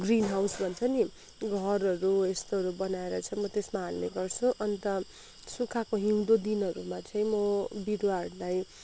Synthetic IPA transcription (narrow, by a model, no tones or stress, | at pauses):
ɡrinɦawsbʱʌnt͡sʰʌni | ɡʱʌrʌɾuest̪oɦʌɾubʌnaeɾʌt͡sʰʌmʌt̪esmaɦalneɡʌrt͡sʰũʔʌnt̪ʌ | sukʰakoɦiw̃d̪od̪inʌɾumat͡sʌĩmʌbiɽwarlaj